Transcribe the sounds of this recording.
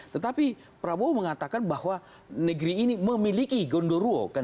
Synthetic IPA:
t̪ət̪api | pɾaboməŋat̪akanbahwa | nəɡɾiːniməmilikiɡondoɾuo̰ka

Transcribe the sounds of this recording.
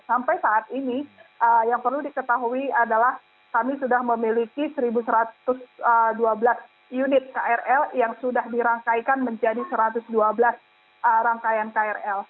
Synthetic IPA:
sampajsaʔat̪̚iniʔəjaŋpərludikət̪aɦuiadalah | kamisudahməmilikisəɾibusəɾat̪ʊsəduabəlas | junɪt̪̚kaɛrɛljaŋsudahdiɾaŋkajkanməɲd͡ʒadisəɾat̪ʊsduabəlas | əɾaŋkajankaɛrɛl

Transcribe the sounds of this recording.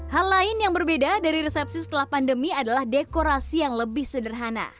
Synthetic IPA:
halːaɪnjaŋbərbedadaɾiɾɛsɛp̚sisə̥t̪əlahpandəmiadalahdekoɾasijaŋləbɪhsədərɦana̰

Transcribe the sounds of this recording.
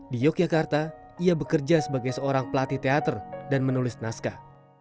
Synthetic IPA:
dijɔk̚d͡ʒakart̪aiabəkərd͡ʒasəbaɡajsəoɾaŋpəlat̪it̪eat̪ərdanmənulɪsnaska

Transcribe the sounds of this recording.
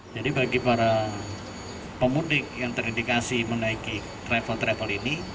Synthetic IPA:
d͡ʒadibaɡipaɾa | pəmudɪk̚jaŋt̪əɾindikasimənaiki | t̪ɾɛfəlt̪ɾɛfəlini

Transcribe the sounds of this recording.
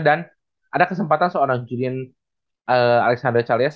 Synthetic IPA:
dan | ʔadakəsəmpat̪ansəoɾaŋd͡ʒuɾian | ʔəalɛksandərt͡ʃalias

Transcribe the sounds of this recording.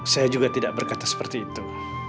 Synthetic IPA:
sajad͡ʒuɡat̪idaʔ̚bərkat̪asə̥pərt̪iːt̪u

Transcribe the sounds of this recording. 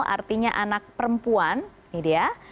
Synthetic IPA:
a̰rt̪iɲaʔanak̚pəɾəmpuan | idija

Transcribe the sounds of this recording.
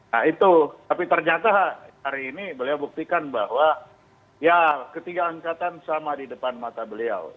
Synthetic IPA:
nait̪ut̪apit̪ərɲat̪ahaɾiːnibəliawbuk̚t̪ikanbahwa | jakət̪iɡaːŋkat̪ansamadidəpanmat̪abəlia̰w

